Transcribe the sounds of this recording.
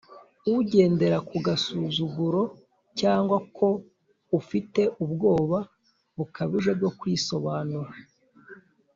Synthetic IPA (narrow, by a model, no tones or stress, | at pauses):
uɟe̞ːnde̞ɾakuɡasuːzuɡuɾo̞ | caːŋɡwakʰo̞ | ufite̞ʔubɡo̞ːβa | βukaβiʒeb̚ɡo̞kwiso̞βaːnuɾa